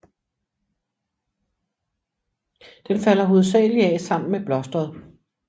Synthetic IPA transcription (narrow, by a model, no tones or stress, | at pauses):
d̥enfælɐɦo̝ð̞̩ˠs̬ɛ̰ːliæsɑ̈m̰n̩meb̥lɒ̽sd̥ʁɐð̞̩ˠ